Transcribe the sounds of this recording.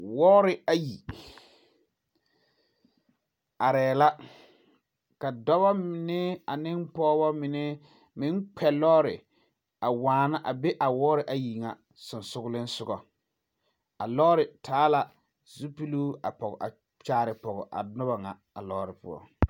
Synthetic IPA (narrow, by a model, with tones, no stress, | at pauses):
wɔː˦ɾɪ˨a˨ji˨ | a˨ɾɛː˨la˦ | ka˨dɔ˦ba˦mɪ˨nɛ˦a˨nɪ˦npɔː˦bɔ˦mɪ˨nɛ˦ | mɪ˦nk͡pʰɛ˨lɔː˦ɾɪ˨ | a˨waː˨na˦ʔa˨be˦ʔa˨wɔː˦ɾɪ˨ʔa˨ji˨ŋa˨ | sʊ˨nsʊ˦ɣʊ˦lɪ˦n˦sʊ˨ɡɔ˨ | a˨lɔː˦ɾɪ˨tʰaː˨˦la˨ | zu˦pi˦luː˦a̰˨pɔ˨ɣɔ̰˨ʔa̰˨ | t͡ʃaː˦ɾɪ˨pɔ˨ɣɔ̰˨ʔa̰˨nʊ˦ba˨ŋa˨ | a̰˨lɔː˦ɾɪ˨pʊ̰˦ɔ̰˨